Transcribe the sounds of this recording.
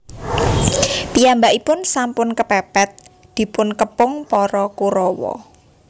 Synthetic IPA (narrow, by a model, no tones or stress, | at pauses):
pijambaʔipʊnsampʊnkəpɛpɛt̪̚ | d̪̥i̤pʊnkəpʊŋpɔɾɔkuɾɔwɔ̰